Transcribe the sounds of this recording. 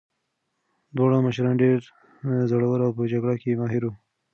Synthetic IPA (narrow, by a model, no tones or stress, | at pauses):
d̪wɑɽãməʃɾɑ̃ːnɖeɾ | zoɽawəɾawpəd͡ʒaɡɽakemɑːɦɪɾo